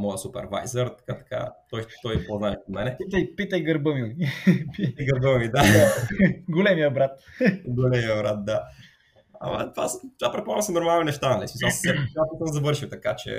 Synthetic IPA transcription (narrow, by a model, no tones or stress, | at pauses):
mɔjəsupɛ̰ɾva̰jzəɾt̪ɐ̥kat̪ɐ̥ka̰t̪ɔj̪t̪ɔjpoznaɛʃot̪mɛnɛpit̪ɐjpit̪əjɡəɾbəmimipijɡəɾbəmimid̪a | ɡolɛmijəbɾat̪ɡolɛmiəbɾat̪̚d̪a | ɐ̰mɐ̰t̪vast̪vapɾɛt̪̚poalsɛnoɾmalˠninɛʃt̪anɐlismisassɛp̪apit̪əzɐvɤɾʃiwt̪ɐkat͡ʃɛ̰